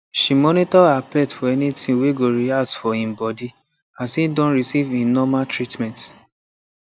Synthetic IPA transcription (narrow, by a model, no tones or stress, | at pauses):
ʃimɔnitɔapɛtfɔɛnitĩweɡoɹiatfɔĩmbɔdi | asidɔ̃nɹisivĩnɔmaltɹitmɛ̃nt